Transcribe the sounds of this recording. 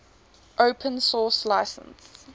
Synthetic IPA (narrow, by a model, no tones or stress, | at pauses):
ʔoʊpʰə̃nsɔːˑslaɪsə̰̃ns